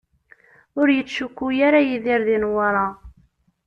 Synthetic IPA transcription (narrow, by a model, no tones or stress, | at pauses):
ʊɾjət͡sːʃukːujaɾajiðɪɾðinwəɾˤɑ